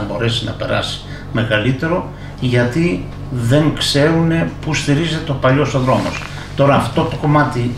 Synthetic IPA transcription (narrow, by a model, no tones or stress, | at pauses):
ɐbo̞ɾe̞sinɐ̰pe̞̰ɾɐ̰si̥ | me̞ɣɐlit̪e̞ɾo̞ | ʝɐt̪i | ðe̞ŋkse̞ɾune̞pust̪iɾizet̪eopɐʎo̞st̪oðɾo̞mo̞̰s | t̪o̞ɾɐːft̪o̞t̪oko̞mɐt̪i